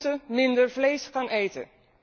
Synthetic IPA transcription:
təmɪndəɹvlejsχɑnejtə̰

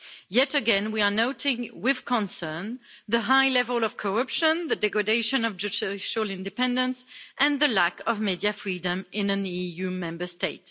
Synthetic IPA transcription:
jɛtəɡɛ̃nwiə˞noʊtɪ̃ŋwɪð̥kʰə̃nsɜ̃˞nðəɦaɪlɛvəlˠʌv̥kʰə˞ʌpʃə̃nðədɛɡɹadeɪʃɨ̃nʌvd͡ʒətʃəlɪ̃ndɨpɛ̃ndə̃nsʔɨ̃nðəlækʌvmidjɨfɹidə̃mʔɪ̃nɨ̃nijʉmɛ̃mbə˞steɪt

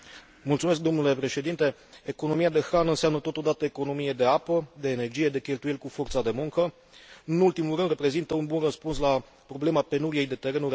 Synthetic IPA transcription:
mult̪sumesk̚d̪o̞mnule̞pɾe̞ʃe̞d̪int̪e̞ | eko̞no̞miad̪e̞xɾanɨnseamnət̪ot̪o̞d̪at̪əeko̞no̞mije̞d̪e̞apəd̪e̞ːne̞rd͡ʒijed̪e̞kʲe̞lt̪uje̞lkufo̞rt̪sad̪e̞muŋkə | ɨnult̪imulɾɨnd̪re̞pɾe̞zint̪əunbunrəspunsla | pɾo̞ble̞mape̞nuɾije̞jd̪e̞t̪e̞ɾe̞nuɾ

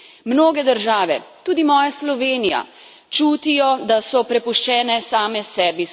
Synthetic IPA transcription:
mnoːɡɛd̪əɾʒaːʋɛt̪uːd̪imɔːjaslɔʋeːnija̰ | t͡ʃuːt̪ijɔd̪asɔpɾɛpuʃt͡ʃɛːnɛsaːmɛsɛːbi

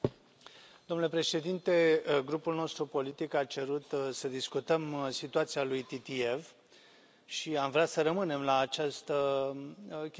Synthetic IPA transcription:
d̪o̞mnulepɾe̞ʃe̞d̪int̪e̞ɡɾupulno̞st̪ɾupo̞lit̪ikat͡ʃe̞ɾut̪səd̪iskut̪əmsit̪uat̪sialujt̪it̪ie̞v | ʃiamvɾeasəɾəmɨne̞mlaːt͡ʃast̪ə | kʲ

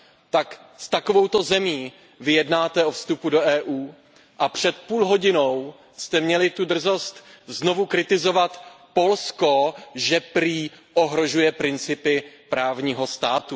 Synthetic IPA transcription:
t̪ak | st̪ako̞vo̞wt̪o̞zɛmiː | vɪjɛdnaːt̪ɛʔo̞fst̪upudo̞ʔɛːʔuː | ʔapr̝̥ɛt̪̚puːlɦo̞ɟɪno̞w | st̪ɛmɲɛlɪt̪udr̩zo̞st̪zno̞vukɾɪt̪ɪzo̞vat̪ | po̞lsko̞ʒɛpɾiːʔoɦɾo̞ʒujɛpɾɪnt͡sɪpɪpɾaːvɲiːɦo̞st̪aːt̪u

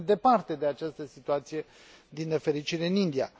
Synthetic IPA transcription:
d̪e̞part̪e̞d̪e̞at͡ʃast̪əsit̪uat̪sije̞d̪inːe̞fe̞ɾit͡ʃiɾe̞ɨnind̪ia̰

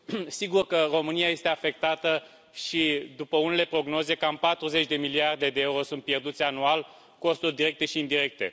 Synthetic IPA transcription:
siɡurkəro̞mɨniaje̞st̪e̞afe̞k̚t̪at̪ə | ʃid̪upəune̞le̞pɾo̞ɡno̞ze̞kampat̪ɾuze̞t͡ʃd̪e̞miliard̪e̞d̪e̞euɾo̞sunt̪pje̞rd̪ut̪sʲanual | ko̞st̪urd̪iɾe̞k̚t̪e̞ʃiːnd̪iɾe̞k̚t̪e̞̰

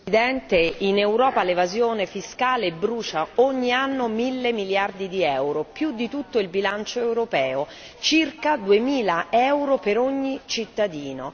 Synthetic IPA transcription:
id̪ɛnt̪einewɾɔːpalevazjoːnefiskaːlebːɾuːt͡ʃaoɲːianːomilːemiljard̪id̪iɛwɾopjud̪ːit̪ut̪ːoilbilant͡ʃoewɾopɛːo | t͡ʃirkad̪uemiːlaɛwɾopeɾoɲːit͡ʃit̪ːad̪iːno

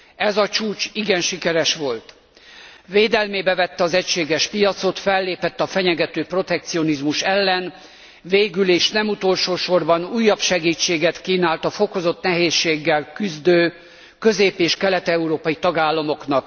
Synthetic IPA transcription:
ɛzɒt͡ʃuːt͡ʃiɡɛnʃikɛɾɛʃʋo̞lt̪ | veːd̪ɛlmeːbɛvɛt̪ːɛɒzɛcʃeːɡɛʃpijɒt̪so̞t̪fɛlːeːpɛt̪ːɒfɛɲɛɡɛt̪øːpro̞t̪ɛk̚t̪sio̞nizmuʃɛlːɛn | veːɡyleːʃnɛmut̪o̞lʃoːʃo̞rbɒnuːjːɒpʃɛɡiːt͡ʃːeːɡɛt̪kiːnaːlt̪ɒfo̞ko̞zo̞t̪nɛɦeːʃːeːɡːɛlkyzd̪øː | kø̞zeːpeːʃkɛlɛt̪ɛuɾoːpɒjit̪ɒɡaːlːɒmo̞knɒk̚

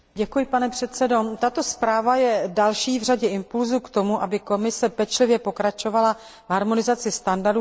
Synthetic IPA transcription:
ɟɛkujɪpanɛpr̝̥ɛt̪t͡sɛdo̞t̪at̪o̞spɾaːvajɛdalʃiːvr̝aɟɛɪmpulzukt̪o̞muʔabɪko̞mɪsɛpɛt͡ʃlɪvjɛpo̞kɾat͡ʃo̞vala | vɦaɾmo̞nɪzat͡sɪst̪andaɾdu

